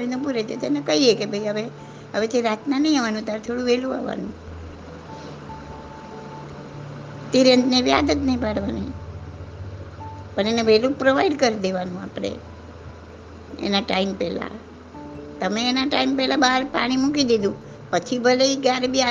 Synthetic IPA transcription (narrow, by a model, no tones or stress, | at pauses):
ɾinũp̬uɾet͡ʃʰet̪enekəɦiekebʱəiɦəʋe | əʋet̪eɾat̪nanəɦĩaʋanũt̪aɾt̪ʰoɽũʋelũa̰ʋa̰nũ | t̪iɾent̪neʋja̰d̪ət̪nəɦĩpaɽʋanəɦĩ | pəɳeneʋelũpɾoʋaiɖkəɾid̪eʋanũa̰pɽ̃ḛ | ḛnaʈaimpɛla̰ | t̪əmeːnaʈaimpɛlabaɾpa̰ɽ̃imukid̪id̪ũ | pət͡ʃʰibʱəleiɡaɾbia